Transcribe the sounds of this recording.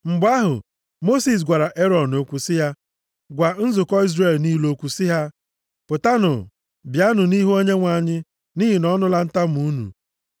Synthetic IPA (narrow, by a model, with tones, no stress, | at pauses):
ŋ͡m̩˨ɡ͡ba˦ɦʊ̰˨ | mo˦si˨s̬ɡʷa˨ɾa˨ʔe˦ɾɔ˨nːo˨kʷu˨sɪ˦ɦa˦ | ɡʷa˨n̩˦zʊ˨kɔ˦i˦zre˨lniː˦lo˨kʷu˨sɪ˦ɦa˦ | pʊ˨ta˦nʊ̰˨ | bja˦nʊ˨ni˦ɦu˦o˦ɲe˦ŋʷa˨ɲɪ˦ | niː˦ɦi˨nɔ˦nʊ˦la˦n̩˦ta˦m̩˨u˨˦nṵ˨